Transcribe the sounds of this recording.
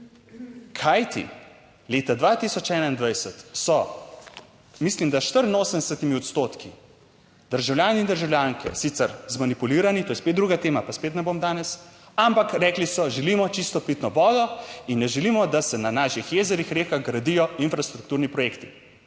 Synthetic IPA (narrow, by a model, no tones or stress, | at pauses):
kʰajt̪ḭ | leːt̪ad̪ʋat̪isɔt͡ʃɛːnaind̪ʋajsɛt̪sɔ | mislimd̪aʃt̪əɾinoːsənd̪ɛsɛt̪imiɔt̪st̪oːt̪ki | d̪̥əɾʒawlʲjaːniind̪əɾʒawlʲjaŋkʰɛ̰sit̪sɛɾzmanipuliːɾanit̪oːjɛspet̪d̪ɾuɡat̪eːmapaspet̪nɛbomd̪aːnɛs | ampakɾɛːklisɔʒɛlimɔt͡ʃist̪ɔpit̪nɔʋɔːd̪ɔinːɛʒɛlimɔd̪asɛnanaːʃixjeːzɛɾixɾeːxaɣɡɾad̪ijɔinfɾast̪ɾuk̚t̪uɾnipɾɔjekt̪i